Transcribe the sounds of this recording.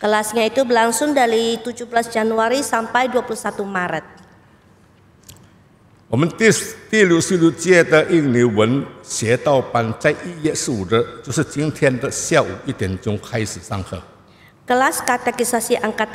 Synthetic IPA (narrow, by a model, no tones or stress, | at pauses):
kəlasɲait̪ubəlaŋsʊŋdaɾit̪ud͡ʒuhblasd͡ʒanuaɾisampajduapulusat̪umaɾət̪̚ | ɔmənt̪ist̪iluʔsiluʔt͡ʃiɛt̪əʔiŋniwənsɛt̪awpant͡ʃajʔijɛʔsudət͡ʃusət͡ʃiŋt̪ʰɛnt̪əʔsjawuid̪ɛnt͡ʃʊŋkʰajsəsaŋkʰə | kəlaskat̪ɛkisasiʔaŋkat̪